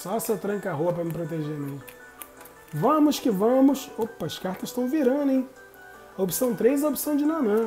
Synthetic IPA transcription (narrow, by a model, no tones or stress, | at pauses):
sɔsɛt̪ɾɐ̃ŋkɐɦoɐpɾɐmɪpɾot̪̬eʒenẽ | vɐ̃mʊʃkɪvɐ̃mʊsopɐɐʃkaɾt̪ɐsʃt̪ɐ̃w̃viɾɐ̃nd̪ʊẽj̃ | ɐopi̥sɐ̃w̃t̪ɾejzɐopi̥sɐ̃w̃d͡ʒɪnɐ̃nɐ̃